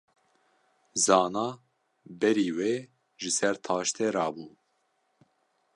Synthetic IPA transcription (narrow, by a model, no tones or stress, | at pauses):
zɑːnɑː | bɛɾiːweː | ʒɨsɛɾt̪ʰɑːʃt̪ʰeːɾɑːbuː